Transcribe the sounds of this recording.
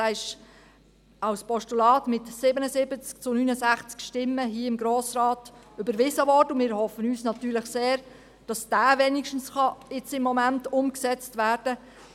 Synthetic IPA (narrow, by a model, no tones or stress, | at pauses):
æːɪʃ | ɑwspɔʃtulɑːtmɪtsɪbənəsɪbət͡skt͡sʊnyːnəzæχt͡skʃtɪmːəɦiəɪmɡɾoːsrɑːtʏbəɾʋɪzəʋɔrdəmɪːɾhɔfənyːsnɑtyːɾləχseːɾ | d̥ɑsd̥æːʋɛːnikʃtn̩sχɑɪt͡sɪmːɔmæntʊmksɛt͡stvæːrd̥ə